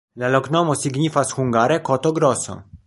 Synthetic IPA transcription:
lalɔɡnɔmɔsiɡɲifasxuŋɡaɾɛkɔt̪ɔɡɾɔsɔ̰

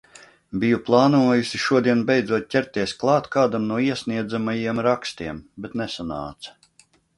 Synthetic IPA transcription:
bijuplˠɑːnuɔjusiʃuɔd̪iɛnbɛjd̪zuɔt̪̚ʲcʲɛɾt̪ʲːiɛsklˠɑːt̪kaːd̪amnuɔiɛsʲniɛd̪zamajiɛmɾakst̪iɛmbɛt̪nɛsana̰ːt̪sɐ̥

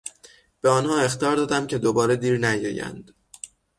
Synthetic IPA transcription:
b̥eɒːnhɒːe̞xt̪iɒːɾd̪ɒːd̪æmcʰe̞d̪obɒːɾe̞d̪iːɾnæjɒ̰ːjæ̰nd̪̥

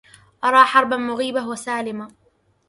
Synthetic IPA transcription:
ʔɑɾˤɑːħɑɾˤbamʊɣiːbawasaːlɪma

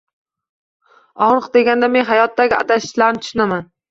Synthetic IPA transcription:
ɒʁɾɨqd̪e̞ɡʲand̪ame̞nɦajɒt̪ːaɡʲɪa̰t̪ʰaʃɪ̥ʃlaɾt̪ʰʊ̥ʃʊnaman

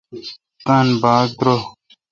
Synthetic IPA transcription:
t̪ɐnbaːk̚d̪ɾo

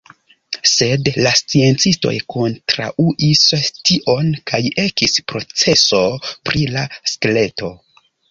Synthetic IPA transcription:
se̞dlast͡sie̞nt͡sisto̞̰jko̞ntɾa̰ʔuʔistiʔo̞nkʰaje̞kispɾo̞t͡se̞so̞pɾilaskle̞to̞

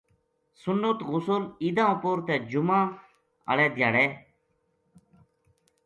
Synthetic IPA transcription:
sʊnːət̪ɣʊsʊlid̪ãːpoːɾt̪ɛːd͡ʒʊmãː | ə̰ɽɛːd̪ʱjaːɽɛː

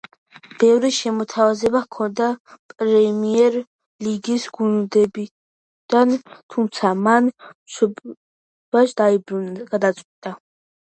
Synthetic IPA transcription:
b̥ɛvɾiʃɛmɔt̪ʰavazɛbakʰɔnd̪apʼɾɛmiɛɾ | liɡisɡund̪ɛbi | d̪̥ant̪ʰumt̪sʰamanmʃɔb | vaʃd̪aibɾunɡad̪at̪sʼqʼwit̪ʼa

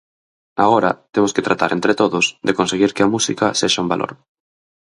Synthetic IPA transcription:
a̰ɣoɾa̰t̪emosket̪ɾat̪aɾʔent̪ɾet̪oðʊsd̪ekonseɣiɾkeamusikaseʃaumbalʔo̰ɾ

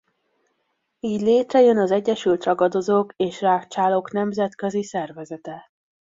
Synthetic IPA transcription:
iːɟleːt̪rɛjønɒzɛɟːɛʃylt̪rɒɡɒd̪o̞zoːkeːʃraːkt͡ʃaːlo̞knɛmzɛt̪køzisɛrvɛzɛt̪ɛ

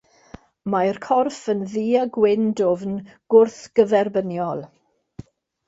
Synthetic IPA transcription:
majrkʰɔrfənðiːaɡwɪndovnɡ̥ʊrθɡ̥əvɛrbənjɔlˠ

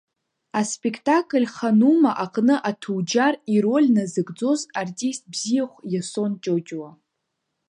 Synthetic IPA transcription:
aspʼekʰtʼakʼɨlʲχanumaʔaqʼnɨʔatʰuwd͡ʒariɾo̞lʲnazɨɡd͡zo̞zartʼist̚bzijaχʷjasont͡ʃʼod͡ʒʼwa

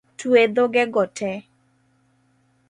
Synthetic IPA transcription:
twed̪oɡɛɡɔtʰɛ

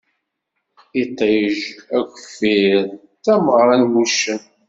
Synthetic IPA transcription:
it̪ˤːejəʒækʷəfiɾ | tæməʁɾˤɑnmuʃən

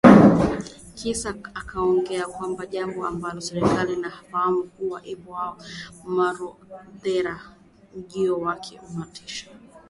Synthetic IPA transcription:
kisaakʰaɔŋɡɛakwambaʄambɔa̰mbalɔsɛɾɛkalinafahamukuwaʔipɔhaɔmaɾɔðɛɾa | m̩ʄiɔwakʰɛ̰umatʰi̥ʃḁ

